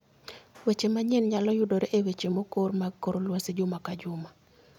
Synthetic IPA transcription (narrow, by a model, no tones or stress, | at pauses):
wet͡ʃemaɲɛnɲalɔjʊdoɾeʔewet͡ʃemokormaɡkoɾolwased͡ʒʊmakad͡ʒʊma